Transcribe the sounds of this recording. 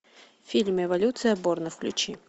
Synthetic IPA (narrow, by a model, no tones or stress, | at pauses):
fʲilʲmɛvalʲut̪sɨjɐbɔrnɨfklʲut͡ɕi